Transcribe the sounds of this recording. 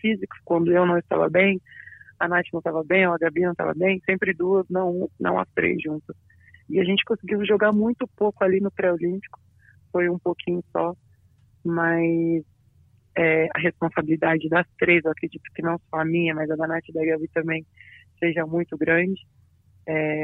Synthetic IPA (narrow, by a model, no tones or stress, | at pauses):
fizikʊ̥skwɐ̃nd̪ʊewnɐ̃w̃ɪst̪a̰vɐ̰bẽj̃anat͡ʃɪnɐ̃w̃t̪avɐbẽj̃oɐɡabinɐ̃w̃t̪a̰vɐ̰bẽj̃sẽmpɾɪd̪uɐznɐ̃w̃nɐ̰̃w̃ɐ̰st̪ɾḛzʒũnt̪ɐs | ɪaʒẽnt͡ʃɪ̥kõsɪɡiwʒoɡaɾmũj̃t̪ʊpowkʊalinʊpɾɛolĩpi̥kʊ̥ | fojũpokʰĩɲʊsɔ | mas | ɛɐ̰ɦespõsabilid̪ad͡ʒɪd̪ɐst̪ɾezewakɾed͡ʒit̪ʊ̥kɪnɐ̃w̃sɔɐmĩɲɐmɐjzɐɡanat͡ʃɪd̪ɐɡabit̪ɐ̃mbẽj̃seʒɐmũj̃t̪ʊɡɾɐ̃d͡ʒɪ | ɛ